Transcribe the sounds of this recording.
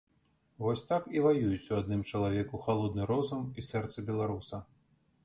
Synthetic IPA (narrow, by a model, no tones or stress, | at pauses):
vɔsʲt̪akivajujut͡sʲuad̪nɨmt͡ʂɐlˠavʲɛkuxalˠɔd̪nɨɾɔzɐmisɛrt̪sɐbʲɛlˠaɾusɐ